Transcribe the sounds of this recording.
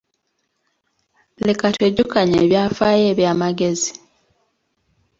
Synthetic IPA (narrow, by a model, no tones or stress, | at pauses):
lekatweːɟukaɲḛːβjaːfaːje̞ːβjaːmaɡe̞zi